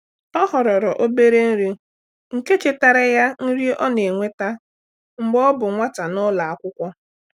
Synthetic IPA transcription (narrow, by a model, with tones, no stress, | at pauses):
ɔ˦ɦɔ˨ɾɔ˨ɾɔ˨ʔo˦be˦ɾe˦n̩˦ɾi˦ | ŋ̩˨ke˦t͡ʃe˦ta˨ɾe˦ja˦n̩˦ɾi˦ʔɔ˦ne˨ŋʷe˦ta˦ | ŋ͡m̩˨ɡ͡bɔ˦bʊ˨ŋʷa˦ta˨nɔ˦la˨a˨kʷʊ˦kʷɔ˦